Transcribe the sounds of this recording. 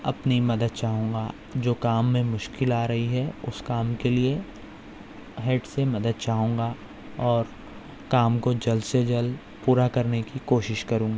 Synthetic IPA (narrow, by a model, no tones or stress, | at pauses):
ɐpnimɐd̪əd̪̚t͡ʃaːɦũːŋɡa | d͡ʒoːkaːmːẽmʊʃkɪlaːɾɐɦiɦɛʊskaːmkelie | ɦeːʈsemɐd̪əd̪̚t͡ʃaːɦũːŋ̆ɡa | ɔːɾ | kaːmkod͡ʒɐlsed͡ʒɐl | puːɾakɐɾnekikoːʃɪʃkɐɾũːŋɡaː